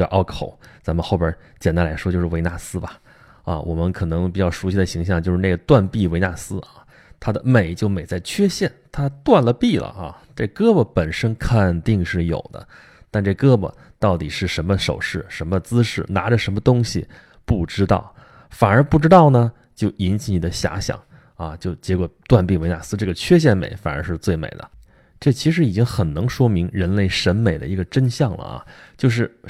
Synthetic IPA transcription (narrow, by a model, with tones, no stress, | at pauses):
ʔɑ˥˩kʰo˨˧˩ʊt͡sa˧˥nmə˧nxo˥˩jə˞˧˥t͡ɕjɛ˨˩nt̪a˥nla˧˥ʂwɔ˥t͡ɕjo˥˧ʊʂɻ̩˥˧e˧˥ɪna˥˩sɹ̩˥bɐ˨ | ɐ̰˧wɔ˨˩mə˦nkʰɤ˨˩nɤ˧˥ŋpi˨˩t͡ɕjɑ˥˩ʊʂu˧˥ɕi˥˩d̪ə˩ɕi˧˥ŋɕ̬jɑ˥˧ŋt͡ɕjo˥˧ʊʂɻ̩˥˧ne˥˩ɡə˩t̪wa˥˧npi˥˩we˧˥ɪna˥˩sɹ̩˥ʔɐ˥˩ | t̪ʰa˥d̪ə˨me˨˩ɪt͡ɕjo˥˩ʊme˨˩ɪt͡sa˥˩ɪt͡ɕʰɥɛ˥ɕjɛ˥˩nt̪ʰa˥t̪wa˥˩nlə˩pi˥˩lə̰˨˩ɐ̰˧ | ʈ͡ʂɤ˥˩kɤ˥bə˨˩pə˨˩nʂə˥nkʰə˨˩nt̪i˥˧ŋʂɻ̩˥˩jo̰˨˩ʊd̪ə̰˦ | t̪a˥˧nʈ͡ʂɤ˥˩kɤ˥bə̰˨˩ | t̪ɑ˥˩ʊt̪i˨˩ʂɻ̩˥˩ʂə˧˥nmə˧ʂo˨˩ʊʂɻ̩˥˩ʂə˧˥nmə˧t͡sɹ̩˥ʂɻ̩˥˩na˧˥ʈ͡ʂə˧ʂə˧˥nmə˧t̪ʊ˥ŋɕḭ˨ | pu˥˩ʈ͡ʂɻ̩˥t̪ɑ̰˥˩ʊ | fa˨˩nə˞˧˥pu˥˩ʈ͡ʂɻ̩˥t̪ɑ˥˩ʊnə˩ | t͡ɕjo˥˩ʊʔi˧˥nt͡ɕʰi˧˥ni˨˩d̪ə˦ɕja̰˧˥ɕjɑ̰˨˩˦ŋ | ɐ˧t͡ɕjo˥˩ʊt͡ɕjɛ˧˥kwɔ˨˩t̪wa˥˧npi˥˩we˧˥ɪna˧˥sɹ̩˥˧ʈ͡ʂɤ˥˩ɡə˩t͡ɕʰɥɛ˥ɕ̬jɛ˥˩nmḛ˨˧˩ɪfa̰˨˩nə˞˧˥ʂɻ̩˥˧t͡swe˥˩ɪmḛ˨˩ɪd̪ə̰˦ | ʈ͡ʂɤ˥˩t͡ɕʰi˧˥ʂɻ̩˧˥i˨˩t͡ɕi˥ŋxə˨˩nnɤ˧˥ŋʂwɔ˥mi˧˥ŋɻə˧˥nle˥˩ɪʂə˧˥nme˨˩ɪd̪ə̰˦i˧˥ɡə˧ʈ͡ʂə˥nɕjɑ˥˩ŋlə̰˩ɐ̰˧˩t͡ɕjo˥˧ʊʂ̬ɻ̩˥˩